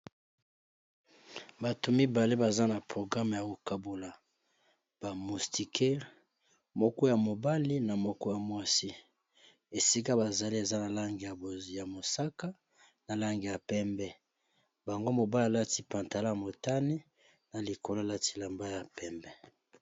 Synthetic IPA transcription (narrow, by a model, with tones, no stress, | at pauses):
ba˨to˨mi˦ba˨le˦ba˨za˦na˨pʁo˨ɡʁa˦mja˨ko˨ka˨bo˨la˨ | b̥a˨mu˨sti˨kʰɛ˦ʁ | mɔ˦kɔ˦ja˨mo˨ba˦li˦na˨mɔ˦kɔ˦ja˨mwa˦si˦ | e˨si˦ka˦ba˨za˨li˦e˨za˦na˨la˦ŋɡi˨ja˨bo˨zja˨mo˨sa˦ka˦ | na˨la˦ŋɡi˨ja˨pɛ˦mbɛ˦ | ba˨ŋɡo˦mo˨ba˦li˦a˨la˦ti˦pã˨nta˨la˦ja˨mo˨ta˦ni˦ | na˨li˨ko˨lo˦a˨la˦ti̥˦la˨mba˦ja˨pɛ˦mbɛ˦